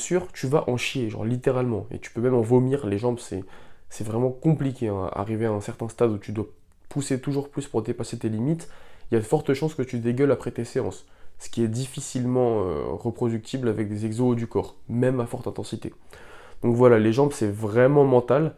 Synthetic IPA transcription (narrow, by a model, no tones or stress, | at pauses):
syːʁt̪yvaʔɑ̃ʃjeʒɑ̰̃ʁlit̪eʁalmɑ̰̃ḛt̪y̥pømɛmɑ̃vomiʁleʒɑ̃bsɛ̰sɛvʁɛmɑ̃kɔ̃plikʲeɛ̃a̰a̰ʁiveaɛ̃sɛʁt̪ɛ̃st̪ad̪ut̪yd̪wa | puset̪uʒuʁplyspuʁd̪epaset̪elimit̪iljad̪fɔʁt̪əʃɑ̃skət̪yd̪eɡœlapχɛt̪eseɑ̰̃sː | ə̥kʲiɛd̪ifisilmɑ̃ø̰ʁəpχɔd̪yk̚t̪ʰiblavɛk̚d̪ezɛɡzod̪ykɔːʁmɛmafɔʁt̪ɛ̃t̪ɑ̃sit̪ed̪̥ɔ̃kvwalaleʒɑ̃bsɛvʁɛmɑ̃mɑ̃t̪al